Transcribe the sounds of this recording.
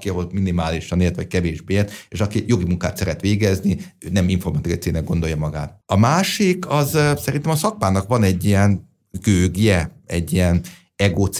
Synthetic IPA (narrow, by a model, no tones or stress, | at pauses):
kiɒɦolminimaːliʃɒneːlt̪ɒc̚kɛveːʒbeːeːt̪eːʃɒkijo̞ɡimuŋka̰ːt̪sɛɾɛt̪ʋeːɡɛzni | øːnɛmiɱfo̞rmɒt̪ikɒt̪seːnɛɡo̞nd̪o̞jɒmɒɡa̰ːt̪ɒmaːʃikʰɒzsɛɾint̪ɛmɒsɒk̚paːnɒkʋɒnɛɟːijɛn | ɡøːɡijɛɛɟːijɛn | ɛɡoːt̪s